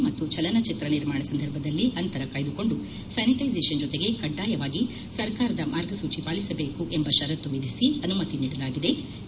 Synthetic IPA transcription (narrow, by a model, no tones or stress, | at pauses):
mɐt̪ːut͡ʃɐlɐnɐt͡ʃit̪ɾɐniɾmaːɳɐsɐnd̪ʱɐɾbʱɐd̪ɐlːiʔɐnt̪ɐɾɐkaːjd̪uko̞ɳɖu | saːniʈɐjd͡ʒeːʃɐnd͡ʒɔt̪e̞ɡe̞kɐɖːaːjɐʋaːɡi | sɐɾkaːɾɐd̪ɐmaːɾɡɐsuːt͡ʃipaːlisɐbe̞ːkuʔe̞mbɐʃɐɾɐt̪uʋid̪ʱisiɐnumɐt̪iniːɽɐlaːɡid̪e̞